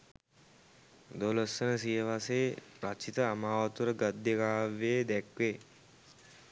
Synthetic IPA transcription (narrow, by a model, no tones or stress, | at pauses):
d̪olosənəsijəʋaseːpɾat͡ʃit̪əamaːʋat̪uɾəɡɐd̪jəɡaːʋeːd̪ɛkʋe